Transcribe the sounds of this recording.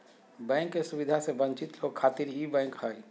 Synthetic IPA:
bɛ̃ːŋkːesubɪd̪ʱasebə̃ɲt͡ʃɪt̪loːɡ̚kʰaːt̪iɾɦibɛ̃ːŋkɦəi

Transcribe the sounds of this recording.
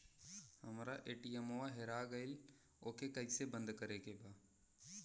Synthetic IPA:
həmɾaʔeːʈiemoaɦeɾaɡəɪl | oːkekəisebə̃nd̪kəɾekebaː

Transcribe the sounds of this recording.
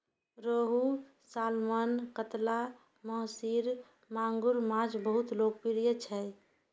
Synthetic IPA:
ɾoɦu | salmankət̪la | məɦsiɾ | maŋɡuɾmad͡ʒbəɦut̪lok̚piɾijət͡ʃʰɛ

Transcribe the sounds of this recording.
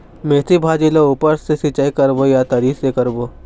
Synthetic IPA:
meːt̪ibʱaːd͡ʒilouːpəɾsesit͡ʃaikɐɾbojat̪ɐɾiːsekɐɾboː

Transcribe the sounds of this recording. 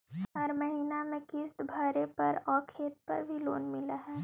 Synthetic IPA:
ɦɐɾmɐɦiːnamẽkɪsbʱaːɾepɐɾɔːkʰeːt̪̚pɐ̰ɾbʱilo̰ːnmɪlaɦɛː

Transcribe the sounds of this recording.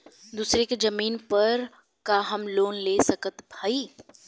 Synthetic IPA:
d̪uːsɾekzɐmiːnpɐɾ | kaːɦɐmloːnleːsɐkʰət̪bʱaːiː

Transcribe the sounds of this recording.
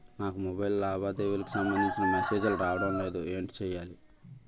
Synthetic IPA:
naːkumobɐjllaːbaːd̪eːʋulɐku̥sɐmbɐnd̪iɲt͡ʃinɐmese̞ːd͡ʒɐluɾaːʋɐɽɐmle̞ːd̪ueːɳʈi̥t͡ʃɛːjːaːli

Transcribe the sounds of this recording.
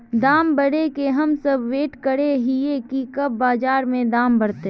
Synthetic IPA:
d̪aːmbɐɽekeɦɐmsɐbʋeːʈkəɽeɦiekikɐbːaːd͡ʒaːɾmẽd̪aːmbɐɽt̪e

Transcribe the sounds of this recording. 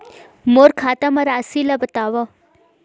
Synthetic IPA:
moːɾkʰaːt̪amãɾaːsilabət̪aːʋa

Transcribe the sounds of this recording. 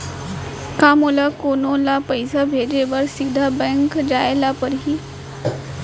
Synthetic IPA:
kamolakonõlapəjsabʱed͡ʑeʋəɾsid̪ʱabɛ̃ŋkd͡ʑajlapəɾɦiː

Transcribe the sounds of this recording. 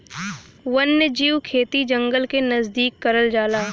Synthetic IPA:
wɐnːəd͡ʒiːwkʰeːt̪id͡ʒɐ̃ŋɡəlkenɐzd̪iːkːɐɾəld͡ʒaːlaː

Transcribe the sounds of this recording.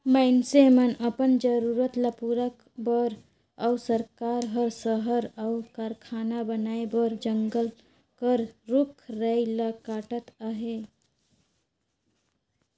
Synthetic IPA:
məɪnsemənəpənd͡ʒəɾuɾət̪lapuɾək | bəɾ | awsəɾkaɾɦəɾsəɦəɾawkaɾkʰanabənaebəɾd͡ʒəŋɡəl | kəɾɾukʰɾəjlakaʈət̪aɦe

